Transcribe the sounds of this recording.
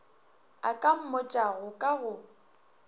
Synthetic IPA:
a̰kʼam̩mʊt͡ʃʼaɣʊkʼaɣʊ

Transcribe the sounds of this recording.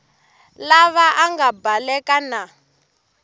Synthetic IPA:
laβaʔaŋɡabalɛkana

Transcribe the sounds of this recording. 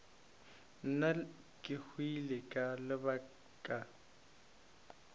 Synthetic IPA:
n̩na | kʼɪhwilɪkʼalɪba | kʼa

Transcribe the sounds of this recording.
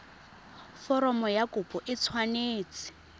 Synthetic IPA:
fɔɾɔmɔjakʊpʼɔʔɪt͡sʰwaneːt͡sɪ̥

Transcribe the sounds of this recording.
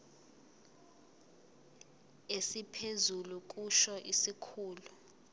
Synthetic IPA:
esipʰezuluk̬ʼuʃɔʔisikʰuːlu

